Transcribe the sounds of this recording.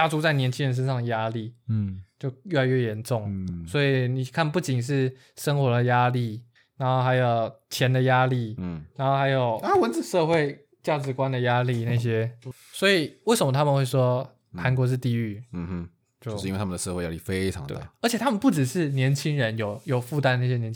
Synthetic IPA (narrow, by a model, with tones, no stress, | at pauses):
a˥˩ʈ͡ʂu˥t͡sa˥˩ɪnjɛ˧˥nt͡ɕʰi˥ŋɻə˧˥nʂə˥nʂ̬ɑ˥˩ŋd̪ə˩ja˥li˥˩t͡ɕjo˥˧ʊɥɛ˥˩la˧˥ɪɥɛ˥˩jɛ˧˦nʈ͡ʂʊ˥˩ŋswɔ˧˥i˨ni˨˩kʰa˥˧npu˥˩t͡ɕi˨˩ŋʂ̬ɻ̩˥˩ | ʂə˥nxwɔ˧˥d̪ə˨ja˥li˥˩ | na˧˥nxo˥˩ʊxa˧˥ɪjo˨˩ʊt͡ɕʰjɛ˧˦˥nd̪ə˨ja˥li˥˩na˧˥nxo˥˩xa˧˥ɪjo˨˩ʊa˥wə˧˦nt͡sɹ̩˨˩ʂɤ˥˧xwe˥˧ɪ | t͡ɕja˥˩ʈ͡ʂɻ̩˧˥kwa˦nd̪ə˨ja˥li˥˧na˥˩ɪɕ̬jɛ˦ | swɔ˧˥i˨˩we˥˩ʂə˨˩mə˨t̪ʰa˥mə˨nxwe˥˩ɪʂ̬wɔ˥ | ta˧˥nk̬wɔ˧˥˦ʂ̬ɻ̩˥˧t̪i˥˧y˥˩˥ | t͡ɕjõ˥˨˥e˥˩a˥m˨d̪ə˩ʂə˥˧xwe˥˩ja˥i˥˩fe˦ɪʈ͡ʂʰɑ̰˨˦ŋd̪̰əə˞˧˥t͡ɕʰjɛ˨˩t̪ʰa˥mə˨npu˥˩ʈ͡ʂɻ̩˨˩ʂɻ̩˥˩njɛ˧˥nt͡ɕʰi˥ŋɻə˧˦njo˨˦ʊjo˨˩ʊfu˥˩t̪a˥nna˥˩ɕ̬jɛ˥jɛ˧˥